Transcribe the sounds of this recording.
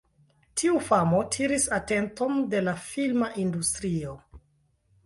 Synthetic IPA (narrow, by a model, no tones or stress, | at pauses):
tʰiufamo̞tʰiɾisate̞nto̞nde̞lafilmaʔindustɾio̞